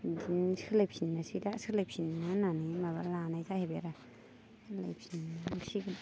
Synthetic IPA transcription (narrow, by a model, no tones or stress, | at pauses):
dinskʰɯlapʰinːasidasʰɯlajpʰinnananimaβalanajzaʔhebeɾa | lajpʰinːasiɡɯ